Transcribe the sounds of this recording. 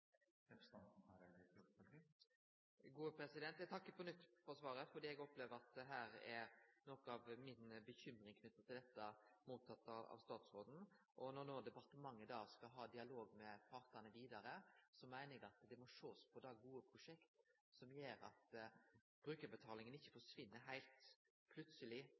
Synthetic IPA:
ɡuːəpʰɾɛsɪd̪ɛnt̪jɛt̪ʰɑkːəpʰɔnʏt̪ːfɔɾsʋɑːɾəfɔɾd̪iːɛɡɔpleːʋəɾɑt̪̚d̪ɛɦæːɾɛɾnɔkɔɑʋmɪnbəçʏmɾɪŋkʰnʏt̪ːət̪ʰɪld̪ɛt̪ːəmuːt̪ʰːɑt̪ːɑɑ̰ʋst̪ɑːt̪sɾoːd̪n̩ | ʔɔnɔɾnoːd̪ɛpɑɾt̪əmɑŋːəd̪ɑːskɑɦɑːd̪ɪɑloːɡmɛpʰɑɾt̪ɑnəʋiːd̪ɑɾəsɔmæɪnəɛɡɑt̪d̪ɛmɔʂoːspʰɔd̪ɑɡuːəpʰɾʊʂɛkt̪ | sɔmjeːɾɑ̰t̪ | b̥ɾʉːkəɾbət̪ʰɑːlɪŋənɪçːəfɔʂʋɪnːəɾɦæɪlt̪ | pʰlʉt̪səlɪ

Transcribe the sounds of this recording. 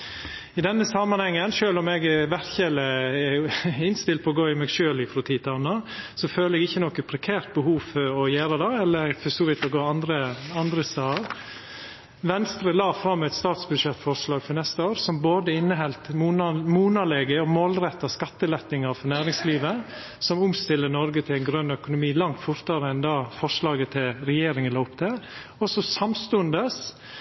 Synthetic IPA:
ɪd̪ɛnːəsɑmːɑnhɛŋːənʃøːlɔmɛɡʋæɾçɛləɛɪnst̪ɪlt̪̚pʰɔɡoːɪmɛɡʃøːlɪfɾɔːt̪ʰiːt̪ʰɑnːɑsɔføːləɛɡɪçːənɔkːəpʰɾɛkʰæːɾt̪̚bəhuːfɔɾɔjæːɾəd̪ɑɛlːəɾfɔsɔːʋɪt̪ɔɡoːɑnd̪ɾəɑnd̪ɾəsɑːɾ | ʋɛnst̪ɾəlɑːfɾɑmːɛɪt̪st̪ɑːt̪sbʉd̪ʂɛt̪ːfɔɾʂlɑːɡfɔɾnɛst̪əoːɾsɔmboːd̪əɪnːəɦɛlt̪ːmuːnɑlɛːɡəɔmoːlɾɛt̪ːɑskɑt̪ːəlɛt̪nɪŋɑɾfɔɾnæːɾɪŋsliːʋə | sɔmʊmst̪ɪlːənɔɾɡət̪ʰɪlæɪnɡɾœnœkʊnʊmiːlɑŋt̪fʊɾt̪ɑɾəɛnd̪ɑːfɔʂlɑːɡət̪ʰɪlɾɛjeːɾɪŋənɑʊpt̪ə | ɔsɔsɑmst̪ʉənd̪əs

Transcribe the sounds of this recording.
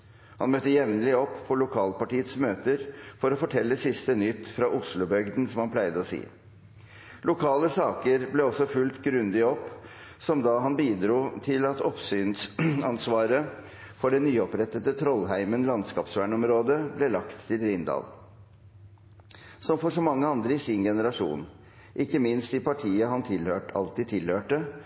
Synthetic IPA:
hɑnmœt̪ːəjɛʋnəlɪɔpːfʰɔlʊkʰɑːlpɑʈiːət̪smøːt̪əɾfɔɾɔfɔʈʰɛlːəsɪst̪ənʏt̪ːfɾɑʔʊslʊbœɡd̪n̩sɔmhɑnpʰlæɪd̪əɔsḭː | lʊkʰɑːləsɑːkəɾblɛɔsɔfʉlt̪ɡɾʉnd̪ɪɔpː | sɔmd̪ɑɦɑnbiːd̪ɾuːt̪ʰɪlɑt̪ɔpsyːnsɑnsʋɑːɾə | fɔɖɛnyːɔpɾɛt̪ət̪ət̪ʰɾɔlɦæɪmənlɑnskɑːpsʋæːɳɔmɾoːd̪əblɛlɑkt̪ʰːɪlɾɪnd̪ɑ̰ːl | sɔmfɔʂɔmɑŋːəɑnd̪ɾəɪsɪnɡɛnəɾɑʂṵːn | ʔɪkːəmɪnst̪ɪpʰɑʈʰiːəɦɑnt̪ʰɪlhøːʈɑ̰lt̪iːt̪ʰːɪlhøːʈə

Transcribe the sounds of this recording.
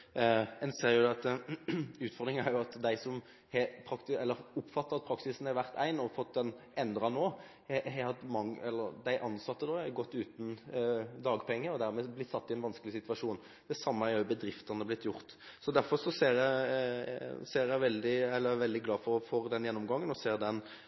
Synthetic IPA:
ɛnseːɾjʊd̪ɛɑt̪ | ʉːt̪fɔʁɾd̪ʁɪŋæ̰ɾjʊɑt̪d̪æɪsɔm | hɛpʰɾɑkt̪ɪɛlːəɾʊpːfɑt̪ːəɾɑt̪̚pʰɾɑksɪsn̩hɛɾʋæɾt̪ʰæ̰ɪnɔfɔt̪̚d̪ɛnʔɛnd̪ɾɑnoː | hɛhɛhɑt̪mɑŋːɛlːəɾd̪æɪʔɑnsɑt̪ːəd̪oːɛɾɡɔt̪ːʉːt̪n̩d̪ɑːɡpʰɛŋːəɾɔd̪æɾmɛblɪt̪ːsɑt̪ːɪɛɪnʋɑnskəlɪsɪt̪ʉʋɑʂuːn | d̪̥ɛsɑmːəæɛɾʊbəd̪ɾɪft̪ənəblɪt̪ːjʊʁt̪ | sɔd̪æɾfɔɾsɔseːɾjæ | seːɾjæɪʋɛld̪ɪɛlːəæʋɛld̪ɪɡlɑːfɔfɔɾd̪ɛnjɛnːɔmɡɑŋːənɔseːɾd̪ɛn

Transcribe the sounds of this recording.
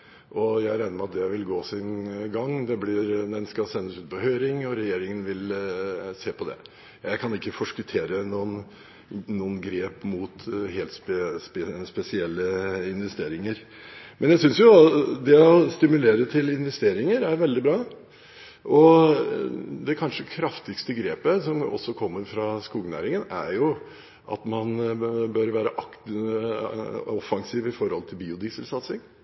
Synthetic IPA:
ʔɔjæɪɾæɪnəmɛɑt̪̚d̪ɛʋɪlɡoːsɪnɡɑŋːd̪ɛblɪɾd̪ɛnskɑsɛnːəsʉːt̪̚pɔhøːɾɪŋɔɾɛjeːɾɪŋənʋɪl | seːpʰɔd̪ɛ̰ | jæɪkʰɑnɪkːəfɔʂkʉt̪ʰeːɾənuːən | nuːənɡɾeːpmʊt̪ɦeːlt̪spspɛsɪɛlːəɪnʋɛst̪eːɾɪŋəɾ | mʔɛnjæɪsʏnsjʊd̪ɛɔst̪ɪmʉleːɾət̪ʰɪlɪnʋɛst̪eːɾɪŋəɾæɾʋɛld̪ɪbɾɑː | ʔɔ | d̪ɛkʰɑnʂəkʰɾɑft̪ɪɡst̪əɡɾeːpəsɔmɔ̰sːɔkʰɔmːəɾfɾɑskuːɡənæ̰ːɾɪŋənæ̰ɾjʊ | ʔɑ̰t̪mɑnbøɾʋæːɾəʔɑk | ɔfɑŋsiːʋɪfɔɾhɔ̰lt̪ʰɪlbiːʊd̪isəlsɑt̪sɪŋ

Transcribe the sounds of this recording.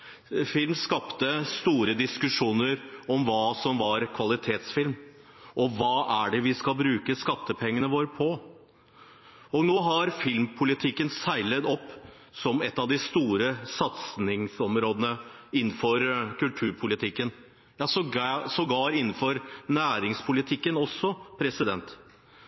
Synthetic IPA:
fɪlmskɑpt̪əst̪uːɾəd̪ɪskʉʂuːnəɾɔmʋɑːsɔmʋɑɾkʰʋɑlɪt̪ʰeːt̪sfɪlm | ʔɔʋɑːʔæɖɛʋɪskɑlbɾʉːkəskɑt̪ːəpʰɛŋːənəʋoːɾəpʰɔ | ɔnoːɦɑɾfɪlmpʰʊlɪt̪ʰɪkːənsæɪlət̪ɔpː | sɔmɛt̪ːɑʋd̪ɪst̪uːɾəsɑt̪snɪŋsɔmɾoːd̪ənəɪn̩ːfɔɾkʉlt̪ʰʉːɾpʰʊlɪt̪ʰɪkːən | jɑːsɔsɔɡɑːɾɪnːn̩fɔɾnæːɾɪŋspʰʊlɪt̪ʰɪkːənɔsːɔpʰɾɛsɪd̪ɛnt̪

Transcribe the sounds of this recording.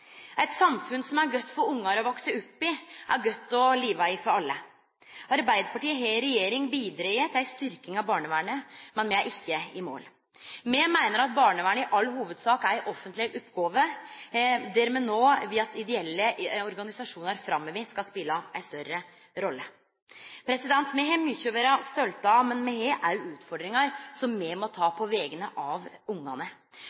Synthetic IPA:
æɪt̪sɑmfʉnsɔmæɾɡœt̪ːfɔɾʊŋːɑɾɔʋɔksəʉpːɪʔæɾɡœt̪ːɔliːʋɑɪfɔɾɑlːə | ɑɾbæɪd̪əɾpʰɑʈiːəɦeɾɛjeːɾɪŋbiːd̪ɾeːət̪ʰæɪst̪ʏɾkɪŋɑbɑːɳəʋæːɳəmɛnmɛæʔɪçːəɪmo̰ːl | mɛmæɪnəɾɑt̪̚bɑːɳəʋæːɳəɪʔɑlːhuːʋəd̪sɑːkæɾʔɔfənt̪lɪʔʊpɡoːʋə | d̪ɛɾmɛːnoːʋɪɑt̪ɪd̪ɛɛlːəɔɾɡɑnɪsɑʂuːnəɾfɾɑmːɛʋiːskɑlspɪlːɑæɪst̪œɾə | ɾɔlːə | pʰɾɛsɪd̪ɛnt̪mɛɦɛmʏçʊʋəɾɑst̪ɔlt̪ɑmɛnmɛɦeːʔæɾjʉʉːt̪fɔɖɾɪŋɑɾsɔmːɛmɔt̪ʰɑːpʰɔʋɛːɡənəʔɑʋʊŋːɑnə

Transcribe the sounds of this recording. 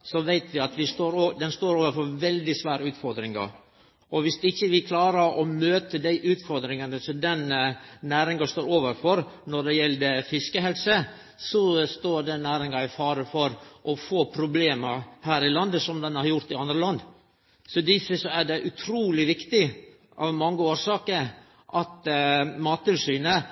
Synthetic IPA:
sɔʋæɪt̪ʰʋɪɑt̪ʋɪst̪oːɾd̪ɛnst̪oːɾoːʋəɾfɔɾʋɛld̪ɪsʋæːɾəʉːt̪fɔɾd̪ɾɪŋɑ̰ | ɔʋɪsɪçːəʋɪkʰlɑːɾəɾɔmøːt̪əd̪æɪʔʉːt̪fɔɾd̪ɾɪŋɑnəsɔd̪ɛnnæːɾɪŋɑst̪oːɾoːʋəɾfɔɾnɔɖ̪ɛjɛld̪əfɪskəɦɛlsə | sɔst̪oːɾɖɛnːæːɾɪŋɑɪfɑːɾəfɔɾʔɔfoːpʰɾʊbleːməhæːɾɪlɑnd̪əsɔmd̪ɛnæɾjʊɾt̪ɪɑnd̪ɾəlɑnd̪ | sɔd̪ɪsəsɔæɖɛʔʉt̪ʰɾuːlɪʋɪkt̪ɪ | ʔɑ̰ʋmɑŋːəoːɾsɑːkəɾ | ʔɑt̪mɑːt̪ːɪlsyːnə

